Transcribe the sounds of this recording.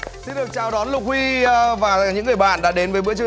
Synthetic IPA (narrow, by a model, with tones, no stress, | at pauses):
si˧nɗɨ˨˩ək̚t͡ɕaː˨˩wɗɔ˨˦nlʊ˨˩k͡p̚hwi˧vaː˨˩ɲɨ̰˧˥ŋːɨ˨˩əjɓa̰ː˧˨nɗa̰ː˧˥ɗe˨˦nvəː˨˦mɨ̰˧˥ət͡ɕɨ˧